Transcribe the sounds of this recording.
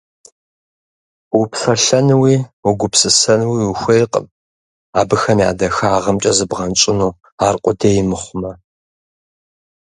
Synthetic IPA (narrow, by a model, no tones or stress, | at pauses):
wupsɐɬɐnwiːwʊɡʷʊpsɨsɐnwiwuxʷejqʼə̰m | aːbɨxɐmja̰ːdɐxaːʁɐmt͡ʃʼɐzɨbʁɐnt͡ʃʼɪnuː | aːrqʷʼʊdeːjɪmɨχʷʊmɐ